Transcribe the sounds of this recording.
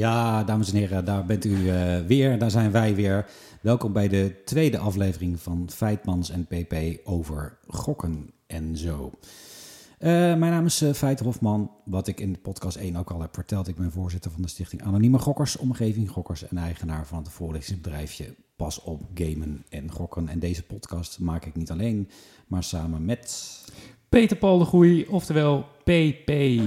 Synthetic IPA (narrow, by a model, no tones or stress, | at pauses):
jaːdaːməsɛnɦɪːrədaːɹbɛntyəʋɪːɹdaːɹzɛjnʋɛjʋɪːɹ | ʋɛlˠkɔmbɛjdətʋejdəʔɑflejvərɪŋvɑnfɛjt̚mɑnsɛnpejpejowvəɹχɔkənʔɛnzow | əmɛjnaːmɪsfɛjtɦɔfmɑnʋɑtɪkɪndəpɔtkɑstejnowkɑlˠɦɛpfəɹtɛlˠtɪɡ̚bɛnvʊːɹzɪtəɹvɑndəstɪχtɪŋʔa̰ːnoniməχɔkəɹsɔmχejvɪŋχɔkəɹsɛ̰nɛjχənaːɹvɑnɦətfʊːɹlɪχtɪ̃ŋbədrɛjfjə̰ | pɑsɔp̚ɡejmənɛnχɔkənɛ̰ndejzəpɔtkɑstmaːkɪknitɑlejn | maːɹsaːmənmɛt | pejtəɹpɑlˠdəχujɔftəɹʋɛːlˠpepe